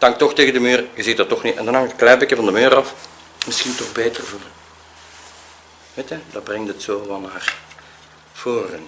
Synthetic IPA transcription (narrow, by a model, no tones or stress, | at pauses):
tɑŋk̚tɔxteːɣəndəmyːrjəzitdɑtɔxnitɛ̰ndɑnɦɑŋɪkəklɛːbɪkjəvɑndəmøːɾɑf | mɪsxintɔxbeːtərvuːlə | ʋetəd̥ɑbrɛŋtətsoːʋɑlˠnaːr | v̥oːrən